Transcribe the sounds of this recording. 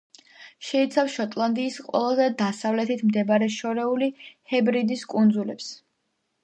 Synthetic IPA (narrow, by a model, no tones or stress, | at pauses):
ʃɛit̪sʰafʃɔt̪ʼlˠand̪iːsqʼwɛ̰lˠazɛd̪asavlɛt̪ʰit̪ʰmd̪ɛbaɾɛʃɔɾɛulihɛbɾid̪iskʼund̪zulɛps